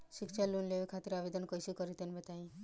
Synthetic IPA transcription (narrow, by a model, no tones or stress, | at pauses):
ʃikt͡ʃʰalunleʋikʰat̪iɾabed̪ənkəjsukəɾit̪enbət̪aĩ